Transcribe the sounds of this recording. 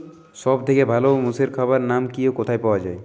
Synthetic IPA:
sɔbt̪ʰekebʱalomuseɾkʰaβaɾnamkiokot̪ʰajpawad͡ʑae

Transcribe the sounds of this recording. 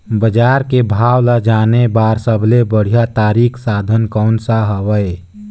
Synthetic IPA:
bəd͡ʒaːɾkebʱaːwləd͡ʒaːnebaːɾsəbʱlebəɽ̤ijat̪aːɾiːkʰsaːd̪ʱənkɔʊnsaɦəwəe

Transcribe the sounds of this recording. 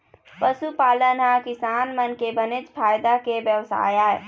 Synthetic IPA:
pəsupaːlənakɪsaːnmənkebəned͡ʒpʰaːjd̪akebjəʋsa̰ːjaːe

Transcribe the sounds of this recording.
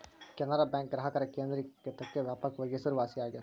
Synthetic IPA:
kʲɐnəɾabɛ̃ːŋk̚ɡɾɐɦɐkɐɾekeːnd̪ɾikːet̪ɐkːeʋjaːpəkʋɐɡesɐɾʋaːsiaːɡja

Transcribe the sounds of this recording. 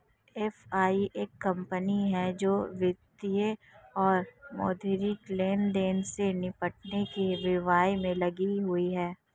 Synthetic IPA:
ɛfaːiʔeːkːɐ̃mpəniɦɛd͡ʒoːʋɪd̪ijəɔːɾmɔ̰ːd̪ʱɪɾikleːnɖeːnsenɪpəʈ̚nekeʋɪʋaːjmẽlɐɡiɦʊiɦɛː

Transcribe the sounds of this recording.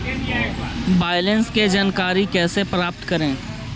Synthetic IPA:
baːɪjlənsked͡ʒaːnkaːɾikɛːsepɾaːp̚t̪kɐɾẽː

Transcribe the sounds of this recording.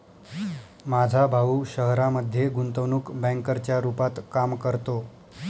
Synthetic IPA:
mad͡zʱabʱauɕəɦɾaməd̪ʱːjeɡunt̪əʋnuːkbɛ̃ŋkəɾt͡ɕjaɾupat̪kamkəɾt̪o

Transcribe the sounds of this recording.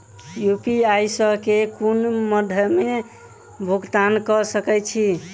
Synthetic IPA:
jupiajsəɦkekunməd̪ʱjəme | bʱuɡt̪ankəsəkɛt͡ʃʰi

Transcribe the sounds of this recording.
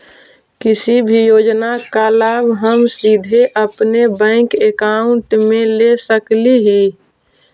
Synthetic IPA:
kɪsibʱijoːd͡ʒnakalaːbɦəmsid̪ʱeʔəpnebə̃ɪ̃kekaʊ̃ɳʈmẽlesəkliɦi

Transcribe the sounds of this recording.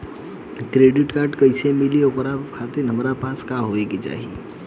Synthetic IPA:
kɾeɖiʈkaɾɖkəɪsemilieokɾakʰat̪inɦəmɾapãskaɦoeket͡ʃa̰ɦi

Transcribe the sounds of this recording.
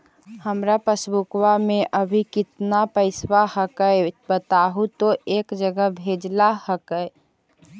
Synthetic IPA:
həmɾapəsbukwameʔəbʱikɪt̪napəɪswaɦəkəɪbət̪aɦut̪oeːkd͡ʒəɡəbʱed͡ʒlahəkəɪ

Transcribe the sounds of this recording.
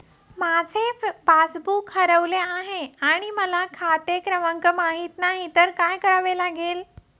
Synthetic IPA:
mad͡zʱefasbukhəɾəʋleaɦeaɽ̃iməlakʰat̪ekɾəʋaŋkəmaɦit̪naɦit̪əɾkajkəɾaʋelaɡeːl

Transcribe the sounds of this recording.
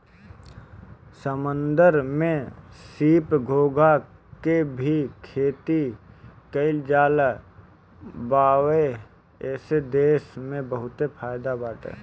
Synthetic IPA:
səmə̃nd̪əɾmẽsiːpɡʱoːɡʱakebʱikʰeːt̪ikəɪld͡ʒaːl | baːwe | ɛːsed̪eːʃmẽbəɦʊt̪epʰaːjd̪abaːʈʰḛː

